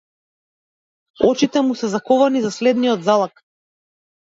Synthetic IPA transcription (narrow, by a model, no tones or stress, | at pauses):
ɔt͡ʃit̪ɛmusɛzakɔvanizaslɛd̪nijɔd̪zalˠak